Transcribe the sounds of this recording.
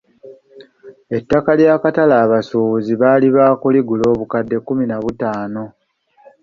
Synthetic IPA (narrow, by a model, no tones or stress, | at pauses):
e̞tːakaljaːkatalaːβasuuziβaːliβakuliɡulo̞ːβukadːe̞kːuminaβutaːno̞